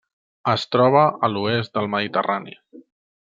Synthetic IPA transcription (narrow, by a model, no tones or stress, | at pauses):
əst̪ɾɔβ̞əəluezt̪̚d̪əlˠməðit̪ə̰ranḭ